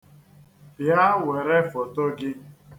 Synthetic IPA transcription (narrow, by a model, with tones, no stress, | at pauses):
pja˦we˨ɾe˦fo˨to˦ɡɪ˦